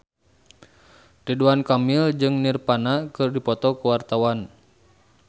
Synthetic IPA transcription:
riduankamild͡ʒɨŋnirpanakɨrdipɔt̪ɔkuwart̪awan

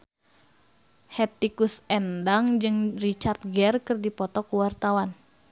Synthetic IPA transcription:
hɛt̪ikusɛndaŋd͡ʒɨŋrit͡ʃart̪̚ɡɛrkɨrdipɔt̪ɔkuwart̪awan

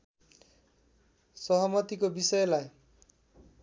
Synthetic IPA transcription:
sʌɦɔmʌt̪ikobisʌjlaj

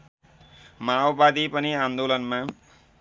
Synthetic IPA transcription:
maowbad̪ipʌniãnd̪olʌnma

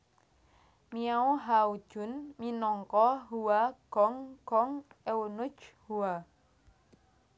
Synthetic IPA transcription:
miauɦaud̥ʒ̥ʊ̤nminɔŋkɔɦuaɡ̥ɔŋɡ̥ɔŋewunʊt͡ʃhua

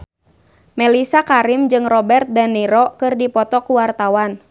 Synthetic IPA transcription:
mɛlisakaɾɪmd͡ʒɨŋrɔbɛrt̪̚danːiɾɔkɨrdipɔt̪ɔkuwart̪awan

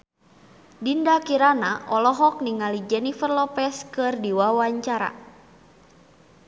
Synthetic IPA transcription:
dindakiɾanaʔɔlɔɦɔk̚niŋalid͡ʒɛnifərlɔpɛskɨrdiwawaɲt͡ʃaɾa̰

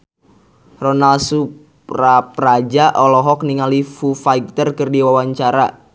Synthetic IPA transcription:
rɔnalsu | raprad͡ʒaʔɔlɔɦɔkniŋalifufaik̚t̪ərkɨrdiwawaɲt͡ʃaɾa

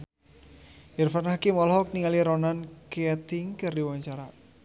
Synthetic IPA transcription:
ʔirfanhakimɔlhɔk̚niŋaliɾɔnankat̪ɪŋkɨrdiwaɲt͡ʃaɾa

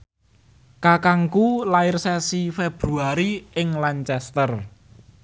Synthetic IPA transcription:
kakaŋkulaɪrsɛsifeb̥ɾuaɾiɪŋlaɲt͡ʃɛst̪ər

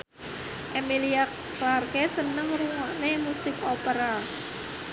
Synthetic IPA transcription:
ʔemiliak | larkesənəŋruŋaʔnemusɪkopəɾa

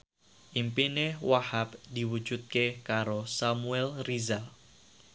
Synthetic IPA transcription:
ʔimpinewahap̚d̪̥i̤wu̥d͡ʒ̥ut̪̚kekaɾosamuɛlrizal

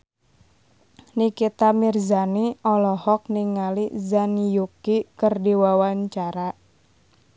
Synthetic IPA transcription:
nikit̪amirzaniɔlɔhɔk̚niŋalizanijukikərdiwawaɲt͡ʃaɾa

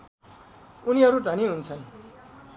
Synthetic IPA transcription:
uniɦʌɾuɖʱʌniɦunt͡sʰʌn

